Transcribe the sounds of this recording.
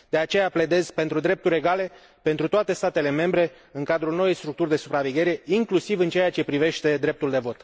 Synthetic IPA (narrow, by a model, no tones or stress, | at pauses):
d̪̥e̞at͡ʃe̞japle̞d̪e̞zpe̞nt̪ɾud̪ɾe̞p̚t̪uɾʲe̞ɡale̞ | pe̞nt̪ɾut̪oat̪e̞st̪at̪e̞le̞me̞mbɾe̞ | ɨŋkad̪ɾulno̞wejst̪ɾukt̪urʲd̪e̞supɾaveɡʲe̞ɾe̞iŋklusivɨnt͡ʃeat͡ʃe̞pɾive̞ʃt̪e̞d̪ɾe̞p̚t̪uld̪e̞vo̞t̪